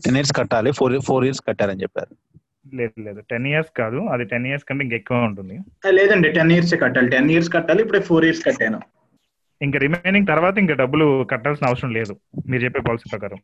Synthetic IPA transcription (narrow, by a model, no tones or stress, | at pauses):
ʈenːiːɐɾskɐʈːaːlipʰoːɾpʰoːɾijɐɾskɐʈːaːɾɐnit͡ʃɛpːa̰ːɾu | leːuleːd̪uʈenijɐɾskaːd̪uɐd̪iʈenːijɐɾskɐɳʈeːiŋkɐekːuʋaːuɳʈund̪i | lɛːd̪ɐɳɖiʈenijɐɾs̬eːkɐʈːaːliʈenijɐɾskɐʈːaːliipːuɽepʰoːɾijɐɾskɐʈːeːnu | iŋkɐɾimeːniŋɡ̚t̪ɐɾʋaːt̪ɐiŋkɐɖɐbːulukɐʈːaːlsinɐʋɐsɾɐmle̞ːd̪umiːɾt͡ʃepːeːpaːlsipɾɐkaːɾɐm